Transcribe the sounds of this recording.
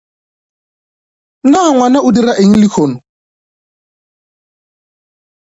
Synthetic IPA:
naŋwanaʔʊdiɾaʔeɲ̩lɪkʰonɔ

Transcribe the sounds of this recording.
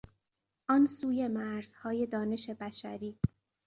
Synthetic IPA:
ʔɒnsuːje̞mæɾz̥hɒːje̞d̪ɒːne̞ʃebæʃæɾiː

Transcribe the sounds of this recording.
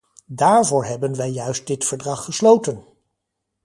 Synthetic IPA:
daːɹvʊːɹɦɛbənʋɛjːœɥst̚dɪtfəɹdrɑχːəslowtən

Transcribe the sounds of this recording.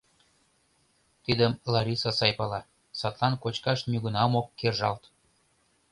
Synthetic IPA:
t̪id̪əmlɑɾʲisɑsɑjpɑlɑ | sɑt̪lɑnkot͡ɕkɑʃnʲyɣə̆nɑmokːerʒɑlt̪

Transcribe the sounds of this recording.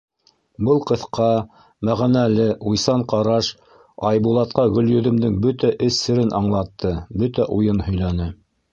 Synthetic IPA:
bɤlˠqɤ̆θqʰɑ | mæʁænælɘʔujsɑɴqɑɾɑʃ | ɑjbulˠɑt̪̚qɑɡɵ̆ljɵ̆ðɵ̆md̪ɘŋbɵt̪æʔɘsːɘ̆ɾɘnʔɑɴlˠɑt̪ːɤbɵt̪æʔujɤnhɵ̆jlænɘ

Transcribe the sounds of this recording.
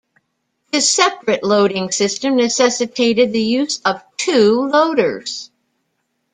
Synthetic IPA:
ðɨsɛpɹɨʔˡloʊɾɪ̃ŋsɪstɨ̃mnɨsɛsɨtʰeɪɾɨd̪̚ðɨjʉzʌv̥tʰʉloʊɾə˞z̥

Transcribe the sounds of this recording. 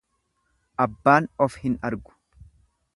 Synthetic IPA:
ʔɐbːaːnɔfhɪnɐ̰ɾɡʊ̥

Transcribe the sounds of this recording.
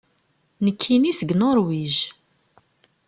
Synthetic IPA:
nəkʰːinisəɡnʊɾwiʒ

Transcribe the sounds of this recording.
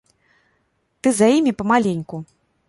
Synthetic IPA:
t̪ɨzajimʲipɐmalʲenʲku

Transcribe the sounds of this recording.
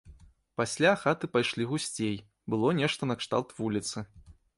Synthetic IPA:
pasʲlʲaxat̪ɨpajʂlʲiɣusʲt͡sʲej | bɨlˠɔnʲɛʂt̪ɐnɐkʂt̪a̰lˠt̪vulʲit̪sɨ

